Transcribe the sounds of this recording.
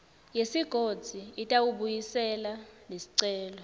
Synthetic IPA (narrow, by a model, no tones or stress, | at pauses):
jesiɡ̥ʱod̥z̥ʱiitʼawuɓujisɛlanesi̥ǀɛːlɔ